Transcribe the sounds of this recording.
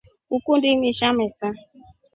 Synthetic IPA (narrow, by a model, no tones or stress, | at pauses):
ukʷun̩dimiʃamɛsa